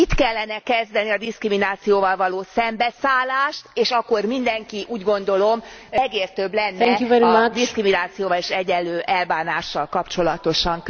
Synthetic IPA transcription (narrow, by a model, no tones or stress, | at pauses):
it̪kɛlːɛnɛkɛzd̪ɛniɒd̪iskriminaːt̪sijoːvɒlvɒloːsɛmbɛsaːlːaːʃt̪eːʃɒkːo̞rmind̪ɛŋkiʔuːɟɡo̞nd̪o̞lo̞mɛɡeːrt̪øblɛnːɛɛjuvɛɾimad̪iskriminaːt̪sijoːvɒleːʃɛɟɛnlløːʔɛlbaːnaːʃːɒlkɒpt͡ʃo̞lɒt̪o̞ʃɒŋk